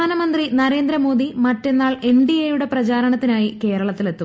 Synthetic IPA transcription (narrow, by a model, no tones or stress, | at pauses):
aːnɐmɐnd̪rinɐɾe̞ːnd̪ɾɐmo̞ːd̪imɐtːe̞nːaːɭe̞ɳɖiejuɽe̞prɐt͡ɕaːɾɐɳɐt̪ːinaːjike̞ːɾɐɭɐt̪ːile̞t̪ːum